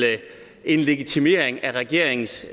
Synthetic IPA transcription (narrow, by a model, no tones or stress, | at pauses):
ə | ʔe̝nle̝ɡ̥it͡sʰime̝ɐ̰eŋæʁɛɡ̥e̝ɐ̰eŋn̩s